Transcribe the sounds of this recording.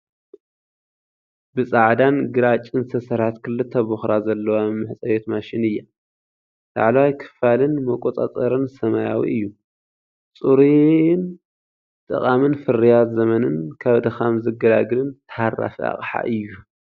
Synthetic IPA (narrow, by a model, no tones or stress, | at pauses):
bɨsʼaʕd̪anɡɨɾat͡ʃʼːɨnt̪ʰɐsɐɾħat̪kʰɨlːɨt̪ʰːɐbuxɾazɐlːɐwamːɨħt͡sʼɐjet̪maʃɪnɨjːa | da̰ʕlwajkʰɨ̥falɨnmɐkʷʼot̪ʼa̰t̪ʼɐɾɨnsɐmaja̰wḭʔɨjːu | t͡sʼuɾin | t̪ʼɨ̰qʼamɨnfɨrijat̪zɐmɐnɨnkʰaβd̪ɐxamzɨɡɐd̪aɡɨlɨnt̪ʰɐ̥harːa̰fia̰χʼħa̰ʔɨjːu